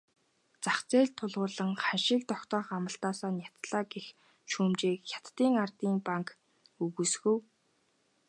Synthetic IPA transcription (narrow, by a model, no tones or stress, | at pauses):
t͡saχt͡seːɮt̪ʰːʊɮʁʊːɮə̆ŋχanʃɪ̆k̚t̪ɔkt̪ɔːχamə̆ɬt̪aːsaːnjat̪ɮaːɡex | ʃuːmt͡ɕeːkxʲḁt̪ːiːŋart̪iːmpaŋk | ɵɣusɣŭw